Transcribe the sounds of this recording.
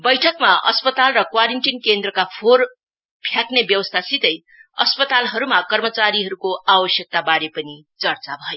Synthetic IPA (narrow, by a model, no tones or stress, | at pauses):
bʌjʈʰʌkmaʌ̰spʌt̪alrʌkwaɾiɳʈinkend̪rʌkapʰor | pʰjaknebjʌwʌst̪ʰasit̪ʌj | ʌ̰spʌt̪alɦʌɾumakʌrmʌt͡saɾiɦʌɾukoʔabʌsjʌk̚t̪abaɾepʌni | t͡sʌrt͡sabʱʌjo